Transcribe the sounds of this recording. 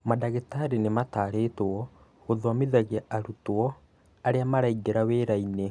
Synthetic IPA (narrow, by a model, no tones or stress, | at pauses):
madaɣetaɾenemataːɾetoɔ | ɣoðowamiðaɣiaaɾutoɔ | aɾeamaɾaiɡeɾaweːɾaine